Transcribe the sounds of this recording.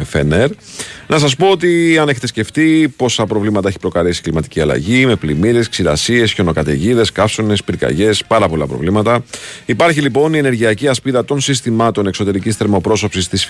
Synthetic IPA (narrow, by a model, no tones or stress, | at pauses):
feneɾ | nɐs̬ɐspo̞ot̪iɐne̞çe̞t̪esce̞ft̪ipo̞sɐpɾo̞vlimɐt̪ɐeçipɾo̞kɐlisi̥klimɐt̪i̥ciɐlɐ̰ʝime̞plimiɾe̞sksiɾɐ̰sie̞sço̞no̞kɐt̪ḛʝiðe̞skɐfsone̞spiɾkɐ̰ʝe̞spɐɾɐpo̞lɐpɾo̞̰vlimɐt̪ɐipɐɾçilipo̞niene̞ɾʝiɐciɐspiðɐt̪o̞nsis̬t̪imɐt̪o̞ne̞kso̞t̪e̞ɾicisθe̞ɾmo̞pɾo̞so̞psist̪is